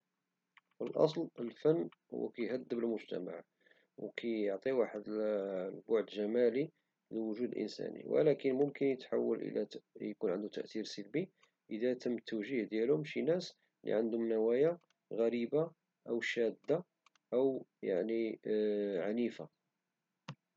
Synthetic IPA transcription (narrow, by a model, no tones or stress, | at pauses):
fəlʔɑ̰s̬ˤləlfənːhʊ̰w̰ːkæjɦæd̪ːəbəlmʊʒt̪æ̰ma̰ʕ | wkʰæjəʕt̪ˤiwaħəd̪lbʊʕd̪ʒæmæli | ləwʊʒud̪əlʔə̰nsæ̰nḭwə̰lækənmʊmkənjət̪ħa̰wːə̰lʔə̰læjkunʕənd̪ut̪ə̰ʔt̪iɾsəlbi | ʔəd̪æt̪əmːt̪ʰːəwʒihd̪jælʊmʃinæs | lḭʕənd̪ʊmnæwæja | ɣæɾiba | ʔəwʃæd̪ːa | ʔəwjaʕni | ʕanifa